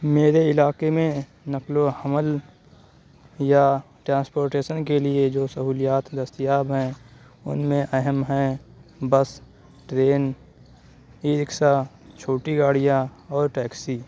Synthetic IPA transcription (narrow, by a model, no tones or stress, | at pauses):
meːɾeɪlaːkemẽ | nəklohəməl | ja | ʈɾãːnspoːɾʈeːʃənkelied͡ʒoːsəɦuːlɪjaːt̪d̪əst̪ijaːbɦɛ̃ | ʊ̰nmẽʔɛɦəmɦɛ̃bəs | ʈɾeːn | iːɾɪksa | t͡ʃʰoːʈiɡaːɽijãɔːɾʈɛːksi